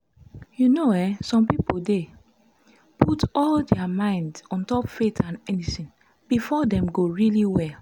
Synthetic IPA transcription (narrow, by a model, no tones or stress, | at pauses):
junoɛsɔ̃mpipolde | pʰutɔldɛamãɪ̃ndɔ̃ntɔpfetʰãnɛnitĩn | b̥ifɔdɛ̃mɡoɹiliwɛl